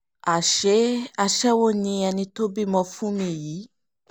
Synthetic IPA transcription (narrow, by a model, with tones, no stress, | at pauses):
a˨ʃe˦a˨ʃɛ˦wo˦nĩ˨˧a˨nĩ˧to˦bi˦mɔ̃˨fũ˦mĩ˨ji˨˦